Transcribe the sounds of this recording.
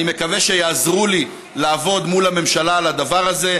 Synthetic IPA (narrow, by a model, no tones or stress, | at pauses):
ime̞kaveʃe̞jaːzʁuli | laːvo̞d̪mulame̞mʃalalad̪avaʁaze̞